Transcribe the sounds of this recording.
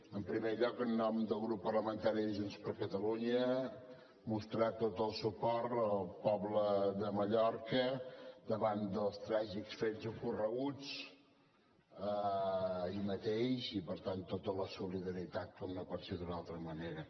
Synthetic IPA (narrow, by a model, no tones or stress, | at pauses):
əmpɾimeʎɔkənːɔmd̪əlˠɣɾupːərləmənt̪aɾiʒunspəɾkət̪əluɲə | must̪ɾat̪ot̪əlˠsupɔɾt̪əlˠpɔβləðəməʎɔɾkəd̪əβand̪əlˠst̪ɾaʒiksfezəkurəɣut͡s | ə | imət̪eʃipəɾt̪ant̪ot̪ələsuliðəɾit̪at̪̚kɔmnɔpɔt̪sed̪unalˠt̪ɾəməneɾə